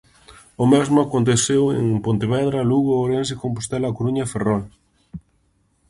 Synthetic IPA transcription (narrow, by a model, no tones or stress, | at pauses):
ʊmɛzmʊakont̪̬eθewḛŋpont̪eβɛðɾɐluɣooɾens̬ekompost̪ɛlakoɾuɲaferɔl